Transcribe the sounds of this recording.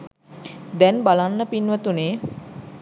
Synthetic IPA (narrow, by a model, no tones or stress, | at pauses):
d̪ɛnbalanːəpinʋət̪uneː